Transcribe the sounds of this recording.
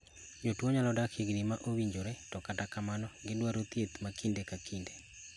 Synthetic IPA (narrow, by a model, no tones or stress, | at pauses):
d͡ʒotwɔɲalɔdakʰiɡdimaʔowiɲd͡ʒoɾɛtɔkatakamanɔŋɡɪdwaɾot̪jet̪makindekakinde